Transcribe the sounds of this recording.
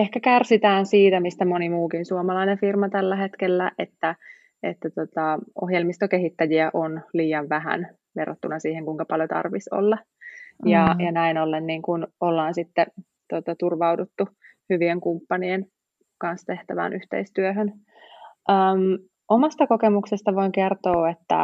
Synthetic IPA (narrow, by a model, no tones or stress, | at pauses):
ehkækærsit̪æːnsiːt̪æmist̪æmonimuːkinsuomɑlɑinefirmɑt̪ælːæɦet̪kelːæʔḛt̪ːæ | et̪ːæt̪ot̪ɑo̰hjelmist̪okeɦit̪ːæjiæʔonliːjɑʋʋæɦæ̰n | ʋḛrot̪ːunɑsiːheŋkuiŋkɑpɑljot̪ɑ̰rʋiso̰lːɑ | jɑjɑnæinolːenːiːŋkunolːɑːnsit̪ːe | t̪ot̪ɑt̪urʋɑwdut̪ːu | hyʋieŋkumpːɑnien | kɑnst̪eht̪æʋæ̰ːnʔyht̪ḛist̪yøɦøn | ʔəːm | ʔomɑst̪ɑkokemuksest̪ɑʋoiŋkert̪oːet̪ːæ̰